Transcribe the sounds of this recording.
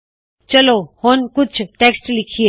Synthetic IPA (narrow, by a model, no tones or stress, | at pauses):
t͡ʃɐlohoːnkʊt͡ʃʰʈeːksʈlɪkʰie